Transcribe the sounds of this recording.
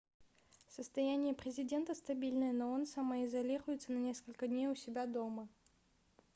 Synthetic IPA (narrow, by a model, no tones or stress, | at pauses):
səst̪ɐjænʲɪjəpɾʲɪzʲɪdʲe̞nt̪əst̪ɐbʲilʲnɨjəno̞onsɐməɪzɐlʲiɾʊjɪt̪sənɐnʲe̞skəlʲkədʲnʲejʊsʲɪbʲad̪omə